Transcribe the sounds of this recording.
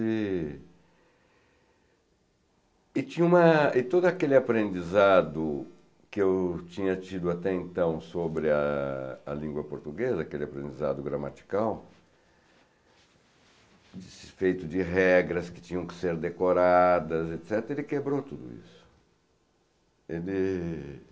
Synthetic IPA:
ɪ | ɪt͡ʃĩɲɐũmɐɪt̪od̪ʊakelɪapɾẽnd͡ʒizad̪ʊ | kɪewt͡ʃĩɲɐt͡ʃid̪ʊat̪ɛẽnt̪ɐ̃w̃sobɾɪɐɐ̰lĩŋɡwɐpoɾt̪uɡezɐːkelɪapɾẽnd͡ʒiza̰d̪ʊɡɾamat͡ʃi̥kaw | d͡ʒɪsfejt̪ʊd͡ʒɪɦɛɡɾɐskɪ̥t͡ʃĩɲɐ̃w̃kɪ̥seɾd̪ekoɾad̪ɐzet̪sɛt̪ɾɐelɪkebɾot̪ud̪ʊ̰ḭsʊ̥ | elɪ

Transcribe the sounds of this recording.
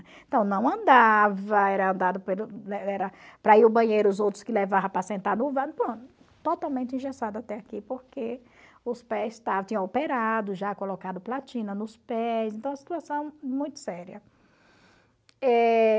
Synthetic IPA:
ẽt̪ɐ̃w̃nɐ̃w̃ɐ̃nd̪avɐɛɾɐɐ̃nd̪ad̪ʊpelʊɛɛɾɐpɾɐiʊbɐ̃ɲejɾʊːzowt̪ɾʊskɪlevavɐ̃pɾasẽnt̪aɾnʊvãd̪pɾõt̪ʊ | t̪ot̪awmẽnt̪ɪĩʒesad̪ɐat̪ɛakipoɾke | ʊspɛzɪst̪avtt͡ʃĩɐ̃awpeɾad̪ʊʒakolokad̪ʊplat͡ʃĩnɐnʊspɛszẽnt̪ɐ̃w̃ɐsi̥t̪uasɐ̃w̃mũj̃t̪ʊ̥sɛɾiɐ | ɛ

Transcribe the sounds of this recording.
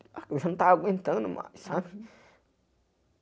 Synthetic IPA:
akisant̪akʷĩnt̪ə̃nə̃mã̰ʔisã

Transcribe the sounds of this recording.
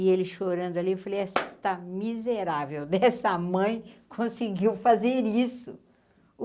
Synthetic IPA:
elɪʃoɾɐ̃nd̪ʊaliewfalejɛst̪amizeɾavewd̪ɛsɐmɐ̃j̃kʰõsiɡiwfazeɾisʊ

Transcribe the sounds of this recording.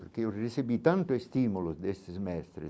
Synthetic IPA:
peɾkeuresebit̪ant̪ʊest̪imulʊzd̪est̪ɪsmɛst̪ɾɪ̰

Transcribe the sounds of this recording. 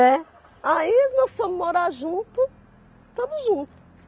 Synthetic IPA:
ɛ | ainɔssɐ̃mʊmoɾaɾʒũnt̪ʊ | t̪ɐ̃mʊzʒũt̪ʊ̥

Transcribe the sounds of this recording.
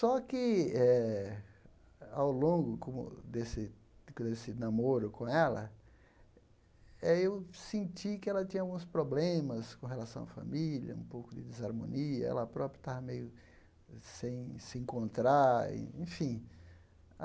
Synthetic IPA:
sɔkɪɛ | awlõɡʊkõmʊ̰d̪esɪ | d̪esɪnamoɾʊkõɛlɐ̰ | ɛewsẽnt͡ʃikɪɛlɐt̪ĩɲɐawɡũspɾoblẽmɐskõɦelasɐ̃w̃ɐfa̰miljɐ̰ũpowkʊd̪ɪd̪ezaɾmõ̰niɐɛ̰lɐpɾɔpɾjʊt̪avɐmejʊ | sẽj̃sɪẽŋkõnt̪ɾaḭḛ̃fĩ

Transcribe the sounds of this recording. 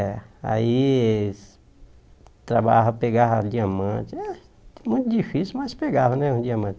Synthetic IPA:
a̰i | t̪ɾɐbaːɦpeɡaɦd͡ʒiɐmːat͡ʃ | mũd͡ʒifismɐt͡ʃpeɡaːɦneũd͡ʒiɐmːat͡ʃ

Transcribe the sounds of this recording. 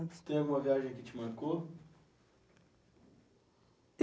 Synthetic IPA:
t̪ẽj̃aɡũmɐviaʒẽj̃kɪt͡ʃɪmɐ̃ɾko

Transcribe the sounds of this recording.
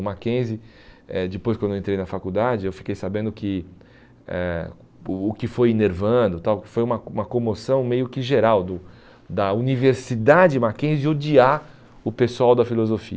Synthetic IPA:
makẽzɪ | ɛ̰d͡ʒɪpojskwɐ̃d̪ewẽt̪ɾejnɐfakud̪ad͡ʒɪewfi̥kejsabẽnd̪ʊkɪ | ɛ̰ː | kɪfojineɾvɐ̃d̪ʊt̪awfojũmɐũmɐkõmosɐ̃w̃mejʊkɪʒeɾawd̪ʊ | d̪ɐuniveɾsid̪ad͡ʒɪmakẽzɪod͡ʒia | ʊpesuawd̪ɐfilozofḭɐ

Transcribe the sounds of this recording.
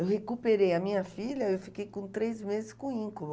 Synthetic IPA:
ewhekupeɾejɐmĩɲɐfiʎɐewfikejkõt̪ɾejzmezɪskõĩkolʊ

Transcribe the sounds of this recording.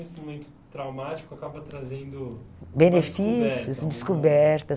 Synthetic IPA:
ist̪umẽnt̪ʊ̥t̪ɾawmat͡ʃi̥kʊakabɐt̪ɾazẽnd̪ʊbenefissjʊsd͡ʒɪskubɛɾt̪ɐ

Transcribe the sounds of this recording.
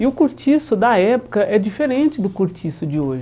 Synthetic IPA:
ɪʊkuɾt͡ʃisʊd̪ɐɛpʊ̥kɐʔɛd͡ʒifeɾẽnt͡ʃɪd̪ʊkuɾt͡ʃisʊd͡ʒɪoʒɪ

